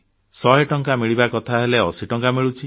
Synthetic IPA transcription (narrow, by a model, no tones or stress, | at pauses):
sɔɦeʈɔŋkamiɭibakɔt̪ʰaɦeleɔsiʈɔŋkamiɭut͡ʃʰi